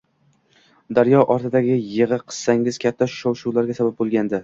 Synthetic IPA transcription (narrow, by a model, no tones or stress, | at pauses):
d̪aɾjɒʔɒɾt̪ʰɪd̪aɡʲɪjɨʁɨqʰɨ̥z̥saŋɪz̥kʲʰat̪ʰːaʃʊ̥ʃowʃuwlaɾɡʲasabap̚bolˠɡʲand̪ɪ